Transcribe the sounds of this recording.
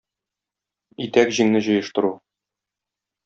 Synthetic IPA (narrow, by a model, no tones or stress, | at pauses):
it̪ækʑiŋnɘʑɤ̆jɤ̆ʃt̪ɤ̆ɾu